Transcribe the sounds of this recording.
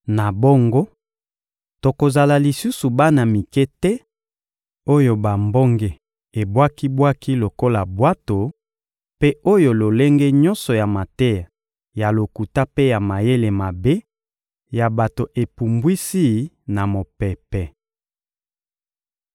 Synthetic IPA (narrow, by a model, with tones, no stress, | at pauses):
na˨bo˦ŋɡo˦ | to˨ko˨za˨la˨li˨su˦su˨ba˦na˨mi˨kɛ˦tɛ˦ | o˦jo˨ba˨mbo˦ŋɡe˨ | e˨bwa˦ki˦bwa˦ki˦lo˨ko˦la˨bwa˦to˨ | pe˦o˦jo˨lo˨le˦ŋɡe˦ɲɔ̃˦nsɔ˨ja˨ma˨tɛ˦a˨ | ja˨lo˨ku˨ta˦pe˦ja˨ma˨je˦le˨ma˨be˦ | ja˨ba˨to˨ʔe˨pu˨mbwi˦si˦ | na˨mo˨pɛ˨pɛ˦